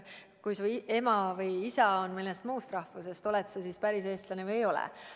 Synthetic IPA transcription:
kujsuːe̞mɑvɯjisɑonmilːest̪muːst̪rɑhfuse̞st̪o̞lɛt̪sɑsispæɾis̬e̞ːst̪lɑnevɯjejo̞lɛ̰

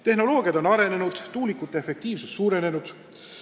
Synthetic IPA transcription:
t̪e̞hɦno̞lo̞ːɡ̥iɑd̪o̞nɑɾe̞ne̞nud̪̥t̪uːlikːut̪ːˑeefe̞k̚t̪iːvsust̪suːɾe̞ne̞nud̪̥

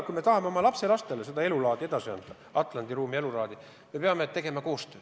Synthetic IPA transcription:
kujme̞t̪ɑhɑmeomɑlɑpse̞lɑst̪e̞lesed̪ɑelulɑːd̪̥ie̞d̪ɑsiɑ̰nd̪̥ɑ | ɑt̪ˑlɑnd̪iruːmie̞lulɑːd̪i | me̞pe̞ɑme̞t̪ːe̞ɡ̥e̞mɑko̞ːst̪øː

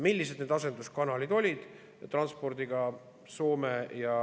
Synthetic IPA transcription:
milʲːise̞d̪neːd̪ɑsend̪us̚kɑnɑlid̪̥o̞lʲid̪̥ | t̪rɑnspo̞rd̪̥iɡ̥ɑ | so̞ːmejɑ

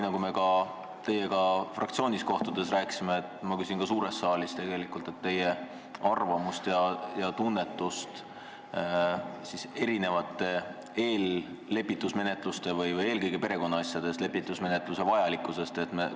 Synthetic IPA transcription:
ninɑkume̞kɑ | t̪e̞jːe̞kɑfrʔɑ̰k̚t̪sio̞ːnʲisko̞ht̪ud̪̥e̞sræːkˑsimeːt̪ːˑmɑkys̬ʲinkɑsuːɾe̞st̪sɑːlist̪e̞ɡe̞likult̪ˑe̞t̪ːe̞je̞ | ɑrvɑmust̪jɑjɑt̪unːe̞t̪ːˑust̪ | sise̞ɾine̞vɑt̪ːˑe̞ | e̞ːlː | e̞pːˑit̪ːˑusme̞ne̞t̪lust̪e̞vɯjvɤje̞ːlkɤjɡ̥epe̞ɾe̞ko̞nːɑɑsjɑd̪̥e̞st̪le̞pːˑit̪ːˑusme̞ne̞t̪ˑluse̞vɑjɑlikːˑuse̞st̪e̞t̪me

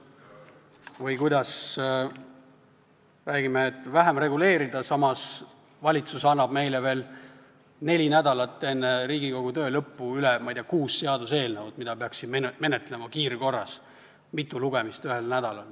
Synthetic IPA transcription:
vɤjkujd̪ɑs | ræːɡ̥imeːt̪ːˑvæɦemre̞ɡule̞ːɾid̪ɑsɑmɑs | vɑlʲit̪susɑnːɑb̥me̞jleve̞ːl | ne̞lʲinæd̪ɑlɑt̪ːˑe̞nːeɾiːɡiko̞ɡ̥ut̪ø̞ːlɤpːuylemɑjd̪eɑkuːsːe̞ɑd̪use̞ːlnevud̪̥mid̪̥ɑpeɑksid̪meme̞net̪le̞mɑkiːɾko̞rːɑs | mit̪ːˑuluɡ̥emist̪yɦe̞lnæd̪̥ɑlɑl

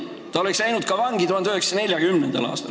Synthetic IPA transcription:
t̪ɑoleksæjnut̪̚kɑvɑŋɡit̪uhɑnd̪yheksɑne̞ljɑɡ̥ymnend̪eɑ̰lɑ̰ːst̪ɑ̰l

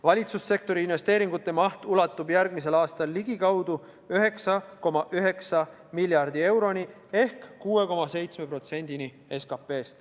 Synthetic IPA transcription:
vɑlʲit̪susːe̞k̚t̪o̞ɾiinve̞st̪eːɾiŋɡ̥ut̪ːˑe̞mɑht̪ulɑt̪ːˑubjæɾɡ̥mis̬e̞lɑːst̪ɑlːiɡ̥ikɑwd̪u | yɦe̞ksɑko̞mɑʔyɦe̞ksɑ | milʲːjɑrd̪ie̞wɾo̞ni | e̞hkːuːwe̞ko̞mɑse̞jt̪sme̞pro̞t̪se̞nʲd̪̥ini | e̞skɑpːe̞ːst̪

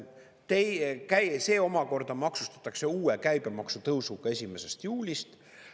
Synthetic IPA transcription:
t̪ejkæjse̞ːo̞mɑko̞rd̪̥ɑmɑksu̥st̪ɑ̥t̪ːˑɑkse̞uːekæjb̥e̞mɑksut̪ɤwsuɡ̥ɑe̞sʲime̞se̞st̪juːlʲist̪

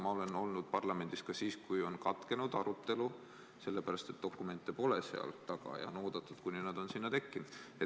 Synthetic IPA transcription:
mɑo̞le̞no̞lnud̪̥pɑrlɑme̞nd̪̥iskɑsiːskujo̞nkɑt̪ke̞nud̪ɑɾut̪ːe̞lu | se̞lːe̞pæɾɑst̪e̞t̪̚ːd̪o̞kːˑume̞nt̪ːˑepo̞lesḛɑ̰lt̪ːɑɡ̥ɑ̰jɑ̰no̞ːd̪̥ɑt̪ːˑud̪̥kunʲinɑd̪̥o̞nsinːɑt̪e̞kːinud̪̥e

